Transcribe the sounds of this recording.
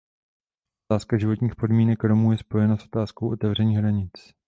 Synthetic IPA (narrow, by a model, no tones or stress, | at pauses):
oaːskaʒɪvo̞t̪ɲiːxpo̞dmiːnɛkɾo̞muːjɛspo̞jɛnasʔo̞t̪aːsko̞wʔo̞t̪ɛvr̝ɛɲiːɣɦɾaɲɪt͡s